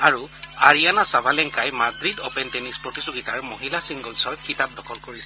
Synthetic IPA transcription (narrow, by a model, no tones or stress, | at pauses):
aɹuaɹijanasabʱalɛŋkajmadɹidɔpɛntenispɹotizoɡitaɹmoɦilasiŋɡɔlsɔɹkʰitap̚dɔkʰɔlkoɹisɛ